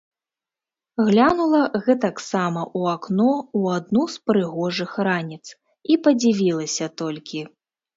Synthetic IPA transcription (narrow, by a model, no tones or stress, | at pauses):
ɣlʲanulˠɐɣɛt̪aksamɐʔuaknɔuad̪nuspɾɨɣɔʐɨxranʲit̪s | ipɐd͡zʲivʲilˠɐsʲɐt̪ɔlʲkʲi